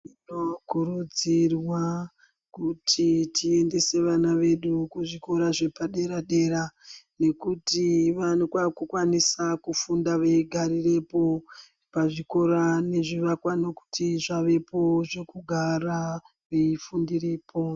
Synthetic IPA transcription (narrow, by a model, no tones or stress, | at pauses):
inokuɾud͡zirwa | kutʰitie̞nde̞se̞ʋanaʋe̞ɗukuʐiko̞ɾaʐe̞paɗe̞ɾaɗe̞ɾane̞kutiʋanokwakukwanisakufundaʋeiɡʱaɾire̞po̞ | paʐiko̞ɾane̞ʐiʋakwano̞ku̥tiʐaʋe̞po̞ʐe̞kuɡʱara | ʋeifundiriːpʰo̞